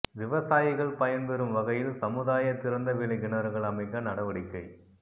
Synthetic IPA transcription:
ʋɪʋɐsaːjɪɣɐɭpɐjɐnpɛɾɯmʋɐɣɐjɪlsɐmɯðaːjɐt̪ːɪɾɐnd̪ɐʋɪɭɐɪɡɪɳɐɾɣɐɭɐmɐɪkːɐnɐɽɐʋɐɽɪkːɐɪ

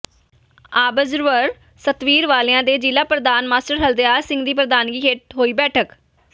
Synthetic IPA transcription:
aːbəzɾʋəɾ | sət̪ʋiːɾʋaːleːãːd̪eːd͡ʒiːlaːpɾəd̪aːnmaːsʈəɾɦəld̪ejaːɾsɪ̃ŋɡd̪iːpɾəd̪aːnɡiːɦeʈ̪̚ɦoːiːbɛːʈʰək

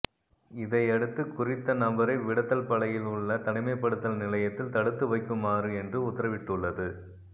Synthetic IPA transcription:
ɪðɐɪɛɽɯt̪ːɯkʊrɪt̪ːɐnɐbɐɾɐɪʋɪɽɐt̪ːɐlpɐɭɐjɪlʊɭːɐt̪ɐnɪmɐɪpːɐɽɯt̪ːɐlnɪlɐjɐt̪ːɪlt̪ɐɽɯt̪ːɯʋɐɪkːɯmaːrɯɛndrɯʊt̪ːɐɾɐʋɪʈːɯɭːɐðɯ

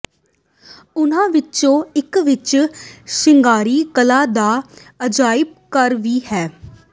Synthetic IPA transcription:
ʊnãːʋɪt͡ʃõːɪkʋɪt͡ʃʃɪŋɡaːɾiːkəlaːd̪aː | əd͡ʒaːɪb̚kəɾʋiːhɛː

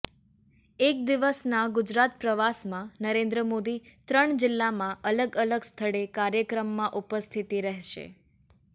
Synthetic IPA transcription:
ek̚d̪iʋəsnaɡud͡ʒɾat̪̚pɾəʋasmãnəɾẽnd̪ɾəmod̪it̪ɾəɳd͡ʒɪlːamãʔələɡələɡst̪ʰəɽekaɾjəkɾəmːãʔupəst̪ʰit̪iɾəɦʃḛ

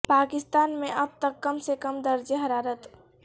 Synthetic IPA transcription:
paːkɪst̪aːnmẽʔəb̚t̪əkːəmsekəmd̪əɾd͡ʒeɦɐɾaːɾət̪

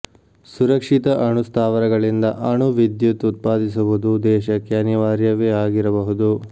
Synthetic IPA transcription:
suɾɐkʂit̪ɐʔɐɳust̪ʰaːʋɐɾɐɡɐɭind̪ɐʔɐɳuʋid̪jut̪ut̪̚paːd̪is̬uʋud̪ud̪ɛːʃɐkjaːnjɐʋaːɾjɐʋeːaːɡiɾɐbɐɦud̪u

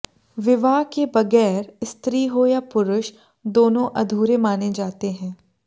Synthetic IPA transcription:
ʋɪʋaːkebɐɡɛːɾɪst̪ɾiːɦoːjapʊɾʊʃ | d̪oːnõʔɐd̪ʱuːɾemaːned͡ʒaːt̪eɦɛ̃ː

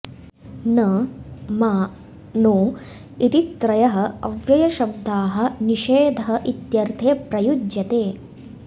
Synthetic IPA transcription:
nɐmaː | noː | it̪it̪ɾɐjɐɦɐɐʋjɐjɐʃɐb̚d̪ʱaːɦɐ̆niʃeːd̪ʱɐɦɐʔit̪jɐɾt̪ʰeːpɾɐjud͡ʒjɐt̪eː

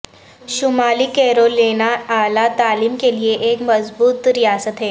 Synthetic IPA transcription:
ʃʊmaːlikɛːɾoleːnaaːlat̪aːliːmkelieʔeːkmɐzbuːt̪ɾijaːsət̪ɦɛː

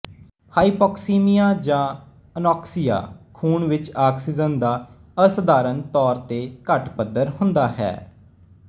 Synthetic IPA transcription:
haːipɔːksiːmijaːd͡ʒãː | ənɔːksija̰ːkʰuːɳʋɪt͡ʃaːksid͡ʒənd̪aːəsəd̪aːɾənt̪ɔːɾt̪eːkəʈpəd̪əɾhʊ̃nd̪aːɦɛ̰ː

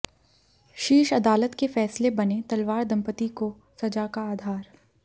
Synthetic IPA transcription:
ʃiːʃɐd̪aːlət̪kefɛːslebɐnet̪ɐlʋaːɾd̪ʱɐ̃mpət̪iko | sɐd͡ʒakaːd̪ʱaːɾ

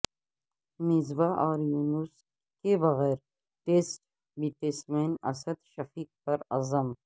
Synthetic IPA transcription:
mɪzbaʔɔːɾjuːnus | kebɐɣɛːɾ | ʈeːsʈ | biʈeːsʈmeːnɐ̰səd̪ʃɐfiːk̚pɐɾɐ̰zəm

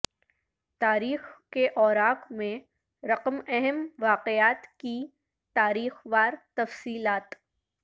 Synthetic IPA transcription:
t̪aːɾiːxkeʔɔːɾaːqmẽ | ɾɐqəmɛɦɛmʋaːqeaːt̪ki | t̪aːɾiːxʋaːɾt̪ɐfsiːlaːt̪

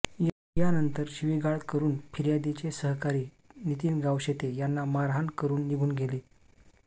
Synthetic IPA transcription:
j | janənt̪əɾɕiʋiɡaɭkəɾuːnpʰiɾjad̪it͡ɕesəɦkaɾiː | nit̪iːnɡawɕet̪ejanːamaɾɦankəɾuːnːiɡʱuːnɡʱele

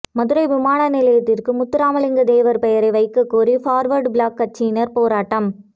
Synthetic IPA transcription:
mɐðɯɾɐɪʋɪmaːɳɐnɪlɐjɐt̪ːɪrkɯmʊt̪ːɪɾaːmɐlɪŋɡɐd̪eːʋɐɾpɛjɐɾɐɪʋɐɪkːɯkːuːɾifaːɾʋɐɾɖbɪɭaːkːɐʈ̚t͡ʃːinɐɾpoːɾaːʈːɐm

